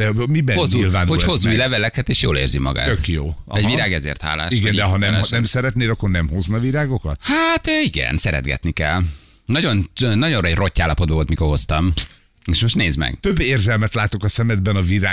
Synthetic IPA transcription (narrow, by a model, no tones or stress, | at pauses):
d̪ɛmibɛozuilvaːnhohozːujlɛvɛlɛkɛt̪eːʃjo̰ːlḛːrzimɒ̰ɡa̰ːøkjoːɒɛɟviɾaːɡɛzḛːrt̪ha̰ːlːa̰ːʃiɡɛnd̪ɛɦɒnɛmnɛmsɛɾɛt̪neːlɒkːornɛmho̞znɒviɾaːɡo̞kɒt̪hat̪øːiɡɛ̰nsɛɾɛ̰d̪ɡɛ̰t̪nikɛ̰lː | nɒɟo̞nønɒɟo̞nrɒɛɟro̞cːaːlːɒpo̞d̪bɒvolt̪miko̞rɦo̞st̪ɒm | eːʃmo̞ʃtneːzmɛ̰ɡ̥t̪øbːeːrzɛlmɛt̪laːt̪o̞kɒsɛmɛd̪bɛnɒviɾaː